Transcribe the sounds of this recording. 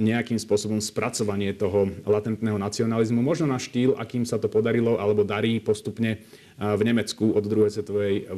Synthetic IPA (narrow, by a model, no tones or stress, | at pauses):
ɲɛakiːmspʊɔsɔbɔmspɾʔat͡sɔʋaɲɪɛt̪ɔɦɔlat̪ɛnt̪nɛːɦɔnat͡siɔnalizmumɔʒnɔnaʃt̪iːlʔa̰kiːmsat̪ɔpɔd̪aɾilɔʔalɛbɔd̪aɾiːpɔst̪upɲɛ | vɲɛmɛt͡skuɔd̪ːɾuɦɛjsʋɛt̪ɔʋɛj